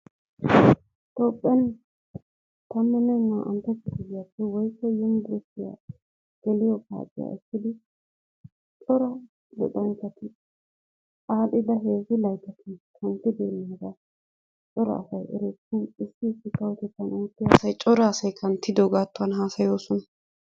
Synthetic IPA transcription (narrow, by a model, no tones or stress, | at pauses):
t̪oːpʼːɛn | t̪ɐmːɛnɛŋːaʔɐ̰mt̪ɛt̪ːɪɡɪɡɪjɐpːɛwɔjkːɛjɪmd̪ɾɛtːɪja̰ | ɡ̥ɛlɪjɔka̰ːt͡ʃʼːɪ̰ja̰ʔɪkːɪd̪ɪ | t͡ʃʼɔɾɐ | lɔ̰d̪ʼɐnt͡ʃːɐt̪ɪ | aːɗ̪ɪd̪ɐɦe̞ːzɪlɐjt̪ɐt̪ʰɪkʰɐnt̪ːɪd̪eːnːɪɡ̪ɐ | t͡ʃʼɔɾɐ̰ːsɐjʔɛ̰ɾeɪnɪsːɪːsːɪkːɐwɔt̪ɛt̪ːɐnuːt̪ːɪja̰ːsɐjt͡ʃʼɔɾɐːsɐjkʰɐnt̪ːɪd̪ɔɡaːt̪ːʊɐnɦaːsɐjo̞ːsɔnɐ